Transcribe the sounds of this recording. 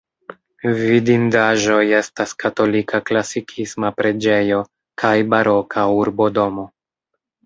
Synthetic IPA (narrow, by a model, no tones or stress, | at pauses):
vidindaʒo̞je̞staskato̞likʰaklasikʰismapɾe̞d͡ʒe̞jo̞ | kʰajbaɾʔo̞kʰauɾbo̞do̞mo̞